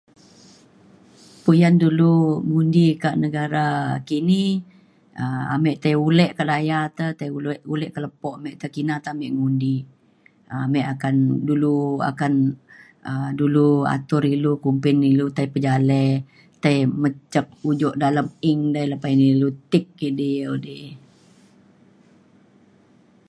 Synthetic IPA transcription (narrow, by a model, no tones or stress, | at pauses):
pujanduluŋundikaʔnəɡaɾakini | əa̰mɛʔt̪ajulɛʔkaʔlajat̪ət̪ajulʔulɛʔkələpɔʔamɛʔt̪əkinat̪əamɛʔŋundi | amɛʔakandulua̰kan | ədulua̰t̪ʊɾilukumpɪnilut̪ajpəd͡ʒalɛ | t̪ajmət͡ʃək̚ud͡ʒɔʔdaləmɪŋdajləpainilut̪ɪk̚ːiʔdiəudɪ